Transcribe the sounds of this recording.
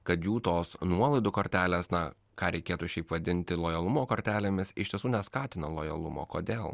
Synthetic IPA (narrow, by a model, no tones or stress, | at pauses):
kɐt̪juːt̪oːsnuɔlˠɐɪd̪ʊkoːɾʲt̪ʲæːlʲeːsnɐ | kɑːɾʲɛɪkʲeːt̪ʊʃʲɛɪpʋɐd̪ʲɪnʲt̪ʲɪlˠoːjɐlˠʊmoːkoɾʲt̪ʲæːlʲeːmʲɪsɪʃt̪ʲiɛsuːnʲɛskɑːt̪ʲɪnɐlˠoːjɐlˠʊ̰mo̰ːkoːd̪ʲeːlˠ